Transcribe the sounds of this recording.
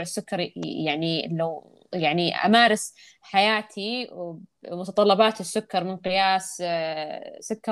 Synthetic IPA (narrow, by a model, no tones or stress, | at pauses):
ʕɪsːʊkːɑɾjaʕnilaw | jaʕniʔa̰maːɾˤɪs | ħajaːt̪ʰiwmʊt̪ɑt̪ˤɑlːɑbaːt̪ɪsːʊkːɑɾˤmɪnqɪjaːs | sʊkːɑ